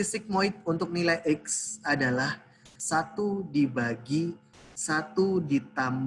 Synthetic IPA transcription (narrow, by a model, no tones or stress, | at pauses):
isɪk̚moɪt̪̚unt̪ʊk̚nilajʔɛksadalah | sat̪udibaɡi | sat̪udit̪am